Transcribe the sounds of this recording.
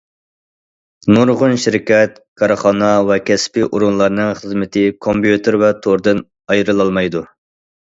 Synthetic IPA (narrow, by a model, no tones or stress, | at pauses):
noɾʁʊnʃiɾɪkʲɛt̪̚ | kʰɑɾəχɑnɑvɛkʲʰɛspɪʔuɾunlˠɑɾnɨŋχəzmɪt̪ʰɪkʰompjut̪ɨɾvɛt̪ʰoɾd̪ɨn | ɑjɾɨlˠɑlˠmɑjd̪u